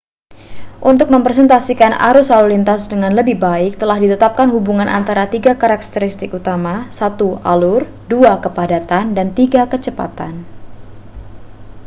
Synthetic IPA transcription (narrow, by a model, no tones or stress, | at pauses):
ʔunt̪ʊk̚məmpɾs̬ɛnt̪asikana̰ɾʊsalurlint̪asdəŋanləbɪhbaɪk̚t̪əlahdit̪ət̪ap̚kanhubuŋanʔa̰nt̪aɾat̪iɡakaɾak̚t̪əɾist̪ɪkut̪amasat̪ualʊr | duakəpadat̪andant̪iɡakət͡ʃəpa̰t̪an